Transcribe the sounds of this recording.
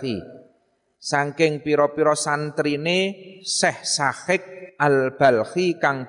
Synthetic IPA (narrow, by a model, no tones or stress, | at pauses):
ḭ | saŋkɪŋpiɾɔpiɾɔsant̪ɾinesɛhsahɪk̚ʔalb̥a̤lhikaŋb̥